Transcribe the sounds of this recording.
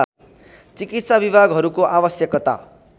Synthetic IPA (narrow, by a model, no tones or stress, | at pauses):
t͡sikit̪sabibʱaɡɦʌɾukoʔabʌsjʌkt̪a̰